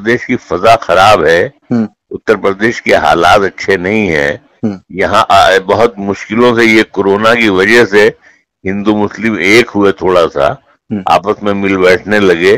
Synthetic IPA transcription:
əd̪eːʃkifɐzaxɐɾaːbɦɛː | ʊt̪ːəɾpɾəd̪eːʃkeɦa̰ːlaːt̪ɐtːʃʰenɐɦĩɦɛ̰ː | jɐɦãʔbɐɦʊt̪mʊʃkɪlõsejekoːɾoːnakiʋɐd͡ʒəɦse | ɦɪ̃nd̪umʊslɪmeːkɦʊet̪ʰoːɽasa̰ | a̰ːpəsmẽmɪlbɛːʈʰnelɐɡe

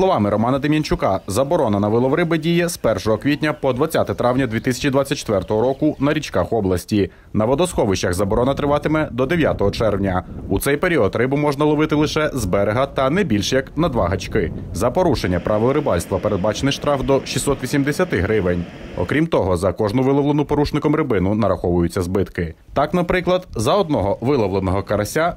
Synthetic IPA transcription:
slˠɔʋɑmɪɾɔmɑnɐd̪ɪmʲjinʲt͡ʃʊkɑzɐbɔɾɔnɐnɐʋɪlˠɔʋɾɪbɪdʲijɛspɛrʃɔɦɔkʋʲitʲnʲɐpɔd̪ʋɐt͡sʲːat̪ɛt̪ɾɑwnʲɐd̪ʋʲit̪ɪsʲɐ̥t͡ʃid̪ʋɑt͡sʲːɐt̚ʲt͡ʃːe̥t̪ʋɛrt̪ɔɦɔɾɔkʊnɐɾʲit͡ʃkɑxɔblˠɐsʲtʲi | nɐʋɔd̪ɔsxɔʋɪʃt͡ʃɐxzɐbɔɾɔnɐt̪ɾɪʋɑt̪ɪmɛd̪ɔd̪eʋʲjat̪ɔɦɔt͡ʃɛrwnʲɐut̪sɛjpeɾʲiɔd̪rɪbʊmɔʒnɐlˠɔʋɪt̪ɪlˠɪʃɛzbɛɾeɦɐt̪ɐnɛbʲilʲʃjɐknɐd̪ʋɑɦɐt͡ʃkɪzɐpɔɾuʃenʲːɐpɾɑʋɔɾɪbɑlʲst̪ʋɐpeɾe̞d̪̚bɑt͡ʃenɪʃt̪ɾɑfd̪ɔʃisːɔt̪ʋʲisʲimd̪esʲɐt̪ɪɦɾɪʋenʲ | ɔ̰kɾʲimt̪ɔɦɔzɐkɔʒnʊʋɪlˠɔʋlˠenʊpɔɾuʃnɪkɔmɾɪbɪnʊnɐɾɐxɔʋʊjʊt͡sʲːɐzbɪt̪kɪ | t̪ɑknɐpɾɪklˠɐd̪zɐɔd̪̚nɔɦɔʋɪlˠɐʋlˠenɔɦɔkɐɾɐsʲa

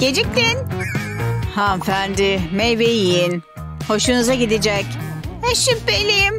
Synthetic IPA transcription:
ɟ̥ed͡ʒic̚t̪in | hafænd̪ɪmejvejijin | ho̞ʃunuzaɟid̪id͡ʒɛc | eʃipbelʲijim

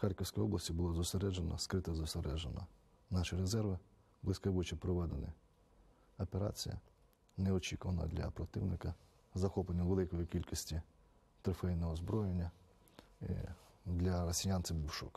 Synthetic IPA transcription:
xɑrʲkiwsʲkɔjɔblˠɐsʲtʲibʊlˠɔzɔseɾɛd͡ʒenɐ̰skɾɪt̪ɛzɔseɾɛʒenɐ̰ | nɑʃɪɾezɛrʋɪ | blˠɪsʲkɐbut͡ʃipɾɔʋɛd̪enɪ̰ | ɐpeɾɑ̰t͡sʲijɐ̰ | neɔt͡ʃʲikʊʋɐnɐ̰d̪lʲɐ̰pɾɔt̪ɪwnɪkɐ | zɐxɔplˠenʲːɐʋelˠɪkɔjikʲilʲkisʲtʲi | t̪ɾɪfɛjnɔɦɔzbɾɔjenʲːɐ | ḭd̪lʲɐɾɔsʲijɑnsɪmbiwʃɔk

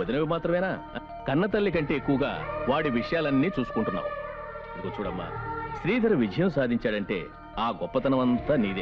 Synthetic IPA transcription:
ɐd̪inɐʋimaːt̪ɾɐmɛːnaː | kɐnːɐt̪̬ɐlːik̬ɐɳʈe̞ːekːuʋɐɡa̰ːʋaːɽiʋiʂɐjaːlɐnːiːt͡ʃuːsu̥kuɳʈunːa̰ːmu | ikoːt͡ʃuːɽɐmːa̰ʃɾiːd̪ʱɐɾuʋid͡ʒʱɐjɐmsaːd̪ʱiɲt͡ʃaːɽɐɳʈe̞̰ː | aːɡɔpːɐt̪ɐnɐmɐnt̪aniːd̪e

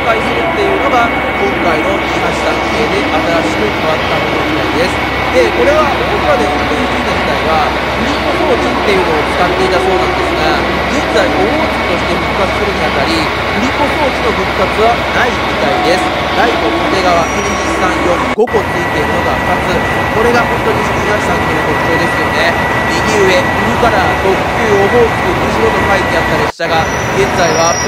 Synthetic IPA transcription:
kaiseɾɯ̟t̪ːe̞ɯɯno̞ɡa | kõ̞ŋkaino̞iɦaɕi̥saskʲied̪e̞ʔat̪aɾaɕi̥kɯkʰaβatt̪ːamonoɲit̪aid̪e̞sɨ̥ | d̪e̞ko̞ɾe̞βa | kokɯ̟βad̪e̞sɨnekɯisiinoʑit̪aiβ̞a | ɸɯ̟ɾʲikokoːt͡ɕit̪ːe̞jɯ̟noːt͡sɨ̥kat̪ːe̞it̪aso̞ːnãnd̪e̞sɨɡa | d͡ʑĩnt͡saio | kʲi̥t̪o̞ɕi̥t̪e̞ɸɯ̟kɯ̥kat͡sɨ̥sɨɾɯɲ̟ʲijat̪ːaɾʲi | ɸɯ̟ɾʲiko̞ɕo̞ːt͡ɕino̞ɸɯ̟kkːat͡sɨβanaimit̪aid̪e̞sɨ̥ | d̪aikokot̪e̞ɡaβakɯɾʲid͡ʑissãɰ̃jõ̞mɡo̞ko̞eit̪eɾɯnoɡ̪amat͡sɨ | ko̞ɾe̞ɡaɦõ̞nt̪o̞ɲ̟isiɡʲinaɕi̥sãŋk̪oɯnokokɯ̟̥t̪e̞ːd̪e̞sɨjo̞ne̞ | ɲiɡʲiɯ̟e̞ | ɯɾɯ̟kaɾat̪okt̪ːeɯod̪o̞ːki̥t̪ɯkɯɕiɾonokait̪ːeat̪ːaɾe̞ɕːaɡa | ɡẽ̞nd͡zaiβa

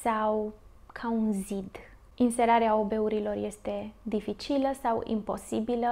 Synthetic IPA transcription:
saw | kʰaunzid̪ | inse̞ɾaɾeaobe̞uɾilo̞rje̞st̪e̞d̪ifit͡ʃiləsawḭmpo̞̰sibilə

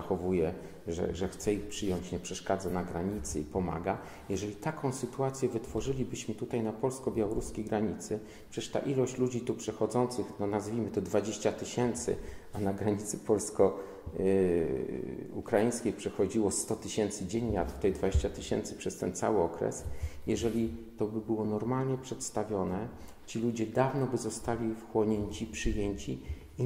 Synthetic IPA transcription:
axɔvujɛ | ʐɛ̰ʐɛxt̪sɛixpʂɘjɔɲt͡ɕɲɛpʂɛʂkad̪zanaɡɾaɲit̪sɘ̰ipɔma̰ɡa | jɛʐɛlʲit̪akʰɔ̃w̃sɘt̪uat̪sʲjɛvɘt̪fɔʐɘlʲibɘɕmɘt̪ut̪ajnapɔlskɔbʲjawɔɾuskʲejɡɾaɲit̪sɘ | ppʂɛɛʂt̪a̰ʔilɔɕt͡ɕlud͡ʑit̪upʂɛxɔd̪zɔnt̪sɘxnɔnazvʲimɘt̪ɔd̪vad͡ʑeɕt͡ɕat̪ɘɕɛnt̪sɘ̰anaɡɾaɲit̪sɘpɔlskɔ | ukɾajĩjskʲejpʂɛxɔd͡ʑiwɔst̪ɔt̪ɘɕɛnt̪sɘd͡ʑeɲlat̪ft̪ɛjd̪vad͡ʑeɕt͡ɕat̪ɘɕɛnt̪sɘpʂɛst̪ɛnt̪sa̰wɘɔkɾɛ̰sjɛʐɛlʲit̪ɔbɘbɘwɔnɔɾmalɲɛpʂɛt̪st̪avʲjɔnɛ | t͡ɕilud͡ʑɛd̪avnɔbɘzɔst̪alʲifxwɔɲeɲt͡ɕipʂɘjeɲt͡ɕi

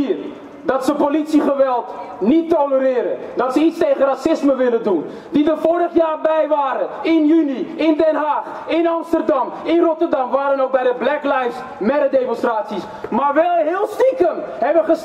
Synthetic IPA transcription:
ir | dɑtsəpolitsiχəʋɛlˠtnitːoləɾɪːɾədɑtsəitstejχərasɪsməʋɪləndun | didəfoːɾəχjaːrbɛjʋaːɾəɪnjyniɪndɛnɦaːχ | ɪnɑmstərdɑmɪnrɔtərdɑmʋaːɾənowk̚bɛjdəblɛklajs | mɛdədemɔnstraːtsis | maːɹʋɛlˠɦɪːlˠstikənɦɛʋəχəs

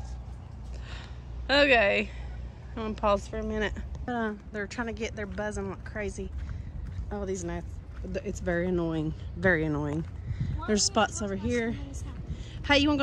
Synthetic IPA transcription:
oʊkeɪ | aʌ̃npʰɔz̥fə˞ɨmɪ̃ñɨt̚ʌðə˞tʰɹ̥aɪɪ̃ŋtʰɨɡɛt̪̚ðə˞bʌzə̃nlʌkʰɹ̥eɪzi | ʔoʊðiznaɪts | ðɨtsvɛɹiɨnɔɪɪ̃ŋvɛɹiɨnɔɪɪ̃ŋ | ðə˞z̥spɑtsoʊvə˞ɦiɹ | heɪjɨwɑ̃nɡ

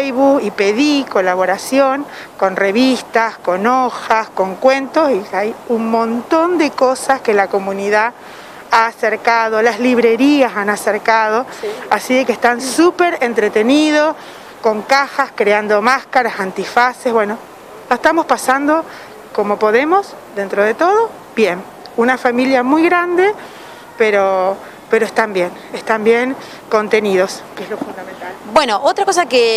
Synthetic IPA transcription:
jβukipeðikolaβoɾasjoŋ | ko̞nreβist̪asko̞noxasko̞ŋkwent̪osiajunmõnt̪o̞nd̪ekosaskelako̞mũniða | aːseɾkaðo̞lazliβ̞ɾeɾiasanaseɾkað̞o̞asiðekest̪ansupeɾent̪ɾet̪eniðos | ko̞ŋkaxaskɾeand̪o̞maskaɾasant̪ifasezβwe̞no̞ | laest̪amo̞spasand̪o̞ | ko̞mo̞po̞ðe̞mo̞sðe̞nt̪ɾo̞ð̞e̞t̪o̞ð̞o̞ | bje̞n | unafamiljamujɣɾand̪e | peɾo | peɾoest̪ambje̞n | est̪ambje̞ŋ | ko̞nt̪e̞niðo̞skeezlo̞fund̪ament̪albwenoʔot̪ɾakosake

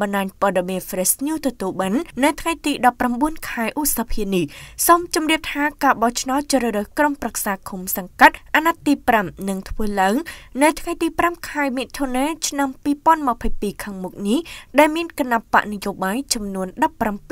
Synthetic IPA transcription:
ɓɑnɗaːɲpŏəɗemiənfresɲuːt̪ɔt̪uəlɓanːɨwt̪ʰŋajt̪iːɗɑpːramɓuənkʰaɛʔutsapʰiənihsomt͡ɕumriəp̚t̪ʰaːkaːɓɑht͡ɕʰnaɔt̪̚t͡ɕɾəɾəhkromprak̚saːkʰumsɑŋkat̪̚ʔʔaːnat̪ːiːpramnɨŋt̪ʰʋəːlaəŋnɨwt̪ʰŋajt̪iːpramkʰaɛmit̪ʰːonaːt͡ɕʰnampiːpŏənməpʰəjpiːkʰaːŋmuk̚nihɗaɛlmiənkanaʔpa̰ʔnijoːɓaːjt͡ɕɑmnuənɗɑpːrampi

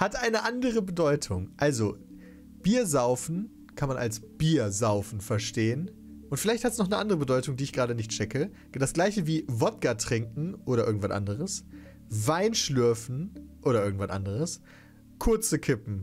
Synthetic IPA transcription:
hatʔaɪnəʔandəʁəbədɔʏtʰʊŋʔalzo | b̥iːɐzaʊfn̩ | kʰanmanʔa̰lsb̥iːɐzaʊfn̩fɛɐʃteːən | ʔʊntfɪlaɪçthatɛsnɔχnəʔandəʁ̞əbədɔʏtʊŋdiːɪçɡ̥ʁaːdənɪçtt͡ʃɛkə | d̥asɡ̥laɪçəviːvɔt̚ɡ̥atʁ̥ɪŋkŋ̩ʔoːɾɐʔɪɐɡŋ̩tv̥asʔa̰ndəʁ̞əs | vaɪnʃlʏɐfn̩ʔoːɾɐʔɪɐɡŋ̩tv̥anʔa̰ndəʁ̞əs | kʰʊɐt͡səkʰɪpm̩

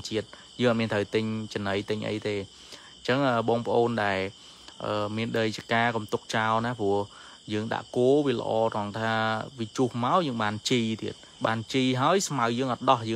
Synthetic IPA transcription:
t͡ɕiət̪̚ | jəːŋʔɑt̪̚miənt̪ʰəwt̪ɨɲt͡ɕənəjt̪ɨɲʔə̰jt̪eː | t͡ɕəŋʔəːɓɑːŋpə̆ʔoːnɗaɛl | ʔəːmiənɗəjt͡ɕikaːkumt̪ʊk̚t͡ɕaɔlnapuəh | jəːŋɗa̰ʔkoəʋiələ̰̆ʔɑːt̪ɑŋt̪ʰaːʋit͡ɕuhmaɔwjəːŋɓaːnt͡ɕiːt̪iət̪̚ | ɓaːnt͡ɕiːɦaəjsmawjəːŋʔɑt̪̚ɗɑhjəː

